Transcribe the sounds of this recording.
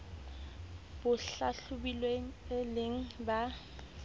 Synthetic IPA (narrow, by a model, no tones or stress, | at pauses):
b̥ʊɬaɬʊbilweŋ̩ɪlɪŋ̩ba